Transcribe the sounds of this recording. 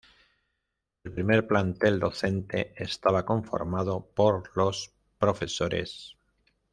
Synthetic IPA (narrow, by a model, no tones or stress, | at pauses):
e̞lpɾimeɾplant̪e̞ld̪o̞θe̞nt̪e̞est̪aβ̞ako̞ɱfo̞̰ɾmað̞o̞po̞ɾlo̞s | pɾo̞fe̞soɾḛs